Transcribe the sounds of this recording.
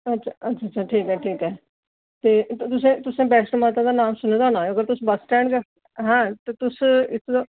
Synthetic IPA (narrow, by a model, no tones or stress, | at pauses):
ɐtːʃʰaɐtːʃʰaːtːʃʰaːʈʰiːkɦɛːʈʰiːkɦɛː | t̪eːt̪ʊsẽːt̪ʊsẽːbɛːsnmaːt̪ãd̪aːnaːmsʊnẽd̪aːnaːəɡəɾt̪ʊsbəsʈɛ̃ːɳɖkə | ɦãːt̪eːt̪ʊsɪsʰd̪aː